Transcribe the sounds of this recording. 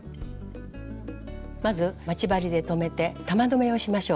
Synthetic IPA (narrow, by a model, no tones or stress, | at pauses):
mazɨmat͡ɕibaɾʲid̪e̞t̪o̞me̞t̪e̞t̪amad̪o̞me̞oɕimaɕo̞ː